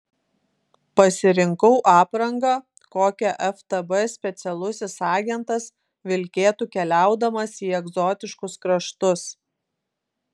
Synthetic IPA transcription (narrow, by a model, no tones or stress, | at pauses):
pɐsʲɪɾʲɪŋkɐʊʔɑːpɾɐŋɡɐː | koːkʲɛʔɛft̪ɐbɛsʲpʲɛt̪sʲɛlˠʊsʲɪsɑːɡʲɛnt̪ɐs | ʋʲɪlʲkʲeːt̪uːkʲɛlʲæˑʊd̪ɐmɐsiːɛɡzɔːt̪ʲɪʃkʊskɾɐʃt̪ʊs